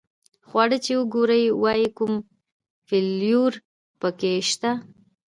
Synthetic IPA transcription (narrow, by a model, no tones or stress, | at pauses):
xwɑɽət͡ʃewəɡoɾəjwɑjikʊm | fɪljuɾ | pəkeʃt̪a